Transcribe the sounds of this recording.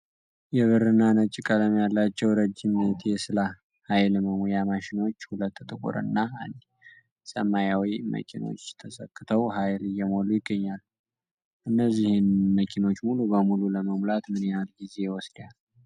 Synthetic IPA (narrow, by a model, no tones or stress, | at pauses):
jɛβɨɾɨnːanət͡ʃʼːɪkʼələmjalːat͡ʃːɛwɾəd͡ʒːɪmt̪ʰjɛsɨla | hajlməmojamaʃɪno̞t͡ʃːhulət̪ːt̪ʼɨkʼṵɾɨ̰nːand̪ | sə̰mːajawimə̰kʼino̞̰t͡ʃːt̪ʰəsəkʼːɨt̪ʰəwɦajlɨjːɛmolujɪɡːəɲːal | ʔɨnːəzːihɪnməkʼino̞t͡ʃːmulubəmululəməmlat̪mɨnealɡize̞wɔsd̪jal